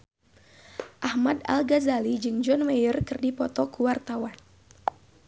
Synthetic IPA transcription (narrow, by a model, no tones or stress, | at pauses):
ʔahmada̰lɡazalid͡ʒɨŋd͡ʒɔnmejərkɨrdipɔt̪ɔkuwart̪awan